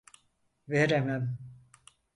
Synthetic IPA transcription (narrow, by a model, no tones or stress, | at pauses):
veɾemæm